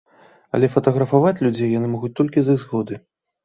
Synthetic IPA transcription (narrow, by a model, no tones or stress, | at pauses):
ɐ̰lʲɛfɐt̪ɐɣɾɐfavat͡sʲlʲud͡zʲejːanɨmɔɣut͡sʲt̪ɔlʲkʲizɨɣzɣɔd̪ɨ